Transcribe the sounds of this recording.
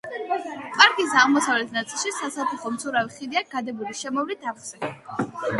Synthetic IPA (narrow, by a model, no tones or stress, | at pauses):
pʼaɾkʼisaʁmɔsavlɛt̪ʰnat̪sʼilˠʃisasat̪ʰuχɔmt̪sʰʼuɾaviχid̪iaɡ̥ad̪ɛbuliʃɛmɔvlit̪ʰaχsɛ